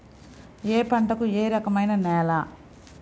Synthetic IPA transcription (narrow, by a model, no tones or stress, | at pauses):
eːpɐɳʈɐkueːɾɐkɐmɐjnɐnɛːla